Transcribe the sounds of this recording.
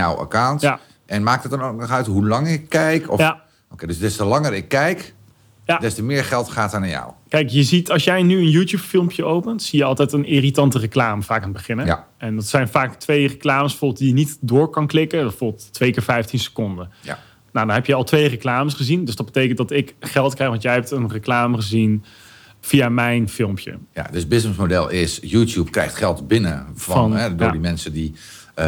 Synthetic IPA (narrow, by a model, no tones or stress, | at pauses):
ja̰wə̰kawntja | ʔɛnmaːk̚ət̚dɑnowknɔχœɥtɦulɑŋərɪkːɛjkʰɔ̰fa | okejdəsdɛstəlɑŋərɪkːɛjk | jadɛstəmɪːɹχɛlˠtχaːtənajɔ̰wkɛjkjəzitɑlˠsjɛjnyənjutjuːpfɪlˠmpjəowpəntsijəɑlˠtɛjtənɪritɑntərəklaːməvaːkaːnəbəχɪnə | ɛndɑtsɛjnvaːktʋejrəklaːməsfɔːbt̚dijənitdʊːɹkɑnklɪkədtfɔbttːʋejkɪːɹfɛjftinsə̥kɔndən̰ | nawdɑnɦɛpjəɑlˠtʋejrəklaːməsχəzindøsdɑd̚bətejkəntdɑtɪkχɛlˠtkrɛjxʋɑntjɛjɦɛp̚tənrəklaːməχəzin | v̥ijamɛjnfɪlˠmpʰjə̰ja̰dəsbɪsnəsmodɛ̰lˠɪsjuːtjupkrɛ̰jχtχɛlˠtbɪnəfnɛddimɛnsədi